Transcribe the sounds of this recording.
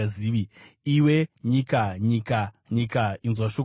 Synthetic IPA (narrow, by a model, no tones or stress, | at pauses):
aziːʋiiweɲikaɲika | ɲikainzwaʃo